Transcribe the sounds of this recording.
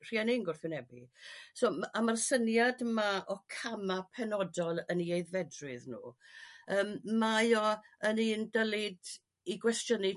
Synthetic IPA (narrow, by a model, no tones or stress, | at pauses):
r̥iːaninɡʊrθʊwnɛbisoːamarsənjadmaʔɔkʰamapʰɛnɔdɔlˠəniejðvɛdrɨðnṵːəːmːajɔəniːndəlˠɪd | iɡwɛstjənɪ